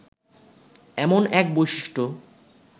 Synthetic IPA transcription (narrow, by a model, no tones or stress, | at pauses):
ɛmonɛk̚bojʃiʃʈo